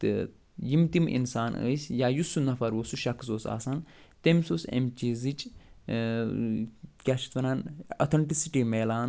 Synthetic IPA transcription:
jimt̪imʔḭnsaːnɨ̰ːsʲjaːjusːunɐfɐɾʋosuʃɐkzoːsa̰ːsan | t̪emʲsoːsḛmt͡ʃizit͡ʃʼ | kʲaʃʰi̥t̪ʋɐnano̰t̪ʰɐɳʈisiʈimeːlaːn

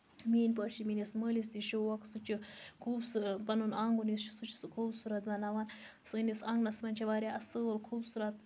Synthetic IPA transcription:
miːnpɐːʃiminisməːlis̬t̪iʃiwɐksɨt͡ʃikʰuːbsupɐnunaŋɡunisʃi̥sɨt͡ʃʰi̥sɨkʰuːbsuɾɐt̪bɐnaʋan | sɨnisɐŋɡnɐsmɐnʲt͡ʃʰɐʋaːɾʲjaʔɐsɨəlkʰuːbsuɾɐt̪̚

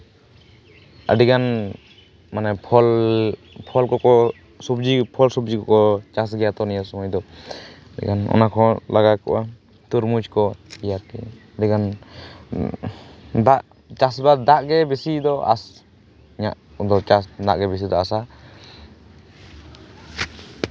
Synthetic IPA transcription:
a̰ɖiɡan | manɛpʰɔl | pʰɔlkɔkɔ | subd͡ʒipʰɔlsubd͡ʒikɔkɔt͡ʃas̬ɡɛjat̪ɔnijasɔmɔjd̪ɔaɖḭɡanɔ̰nakʰɔlʔaɡakɔ̰ʔa | t̪uɾmud͡ʒkɔijaɾkɛaɖiɡan | d̪aʔ | t͡ʃasbad̪aʔɡɛbisid̪ɔʔa̰s | iɲa̰ʔ | d̪ɔt͡ʃasd̪aʔɡɛbis̬id̪ɔasa

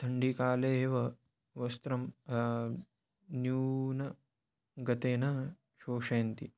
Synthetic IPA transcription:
t̪ʰɐɳɖikaːleːʋɐ | ʋɐst̪ɾɐm | njuːnɐ | ɡɐt̪eːnɐ | ʃoːʂɐːɐnt̪ḭ

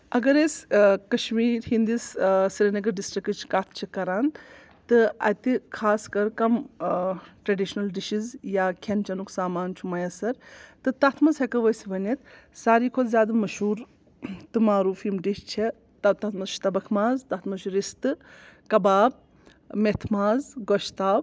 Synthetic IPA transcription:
ɐɡɐɾeskɐʃmiːɾɦind̪issiɾɐnɐɡɐɖisʈɾikɨt͡ʃʰkat̪ʰt͡ʃʰikɐɾaːn | t̪ɨɐ̰t̪ikʰaːskɐɾkɐm | ʈɾɐɖiʃnɐlɖiʃizjaːkʰent͡ʃɐnuksaːmaːnt͡ʃʰumɐjɐsɐɾt̪ɨt̪ɐt̪ʰmɐzhɐkɐʋɐsiʋɐnɐt̪saːɾiːkʰod̪zʲjaːd̪ɐmɐʃuːɾ | t̪ɨmaːɾuːfimʈiʃt͡ʃʰe | t̪ɐt̪ɐt̪ʰmɐzʃʰi̥t̪ɐbɐkʰmaːzt̪ɐt̪ʰmɐʃuɾist̪ɨkɐbaːb̚ | met̪ʰmaːzɡoʃt̪aːb

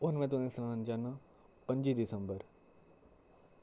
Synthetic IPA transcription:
ʊɦənmẽːt̪unẽsnãːənd͡ʑaːnã | pɐ̃ɲd͡ʑid̪ɪsə̃mbəɾ

